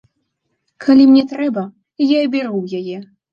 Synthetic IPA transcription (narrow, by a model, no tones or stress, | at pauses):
kʰɐlʲimnʲɛt̪ɾɛbɐ | jabʲɛɾuwjajɛ